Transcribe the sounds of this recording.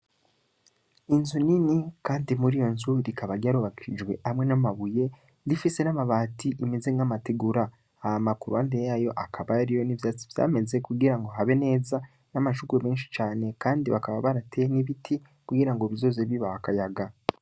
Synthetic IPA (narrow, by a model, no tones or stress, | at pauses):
inzuninikaːndimuɾijo̞nzuɾikaβaɾɟaɾuβakiid͡ʒwe̞ʔamŋe̞namaβuje̞ | ɾifise̞namaβaːtʰiʔimeze̞ŋamateɡuɾaː | amakuɾuandejajo̞ʔakʰaβaɾijo̞nivjaːt͡sivja̰ːme̞ze̞kuɡiɾaŋɡo̞ɦaβe̞ne̞ːza | namaʃukweme̞ːnʃi̥t͡ʃaːne̞kaːndiβakaβaβaɾatʰeeniβitʰi | kuɡiɾaŋɡoβizo̞ːze̞βiβahakajaɡa